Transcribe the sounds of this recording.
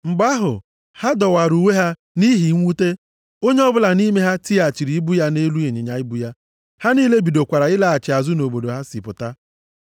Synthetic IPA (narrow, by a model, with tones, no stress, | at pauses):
ŋ͡m̩˨ɡ͡ba˦ɦʊ̰˨ | ha˦dɔ˨wa˨ɾu˨we˦ɦa˦ | ni˦ɦi˨˦ŋʷu˦te˦ | o˦ɲe˦ɔ˦bʊ˦la˨ni˦me˦ɦa˦ti˦a˨t͡ʃi˨ɾi˨i˦bu˦ja˦ne˦lu˦e˨ɲe˨ɲa˨ɪ˦bu˦ja˦ | ha˦niː˦le˦bi˨do˨kʷa˨ɾa˨ɪ˦la˨a˨t͡ʃɪ˨a˨zʊ˦no˨bo˨do˨ɦa˦si˨pʊ˨ta˦